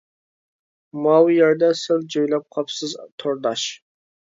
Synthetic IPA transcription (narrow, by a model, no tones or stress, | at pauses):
mɑwjɑɾd̪ɑsɨlˠd͡ʒojlæp̚qʰɑpsɨzt̪ʰoɾd̪ɑʃ